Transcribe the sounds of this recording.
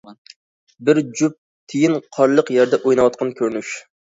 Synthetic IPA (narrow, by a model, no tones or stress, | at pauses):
bɪɾd͡ʒup̚ | t̪ʰejinqʰɑɾlˠəqjæɾd̪ɛʔojnɨwɑt̪̚qʰɑnkʲʰøɾnyʃ